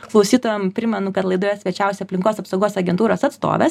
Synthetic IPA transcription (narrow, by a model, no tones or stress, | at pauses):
klˠɐʊsʲiːt̪oːjʲɛmpʲɾʲɪmʲɛnʊkɐt̪lˠɐɪd̪oːjɛsʲʋʲɛt͡ʃʲɛʊsʲɛɐpʲlʲɪŋkoːsɐpsoʊɡoːsɐɡʲɛnt̪uːɾoːsɐt̪st̪o̰ːʋʲɛ̰s